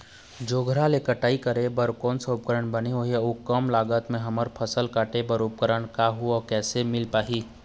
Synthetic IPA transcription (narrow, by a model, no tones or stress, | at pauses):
d͡ʒoːɡʱəɾalekəʈaːikəɾebəɾkɔːnsoːp̚kəɾəɳbəneoɦiukːəmlaːɡət̪mẽɦɐməɾpʰəsəlkaːʈebəɾuːp̚kəɾəɳkaɦuɔkɛːsemɪlpaːɦiː